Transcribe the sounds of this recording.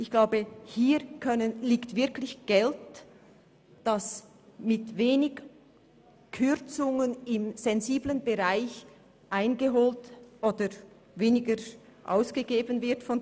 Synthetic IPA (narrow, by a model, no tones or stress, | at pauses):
ʔɪçɡ̥laʊbəhiːkʰœnənliːktv̥ɪɐklɪçɡ̥ɛlt | d̥as | mɪtveːnɪɡ | kʰʏʁt͡sʊŋənɪmz̥ɛnziːblənbəʁaɪç | ʔaɪnɡəɦoːltʔoːdə | veːnɪɡə | ʔa̰ʊsɡ̥əɡeːbənvɪɐtfɔn